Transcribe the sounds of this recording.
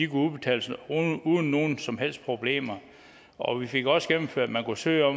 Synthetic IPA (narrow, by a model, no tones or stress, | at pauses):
d̥ikʰuuðˠb̥e̝t͡sʰɛ̰ːlsuðˠn̩ːo̝ːn̩sɒ̽mɦel̰sd̥̚pʰʁo̝b̥le̝̰ːmɐ | ɒ̽ʋife̝ɡ̥ɒ̽sɡ̥em̰n̩føɐ̰æd̥mænkusø̰ːɪɒ̽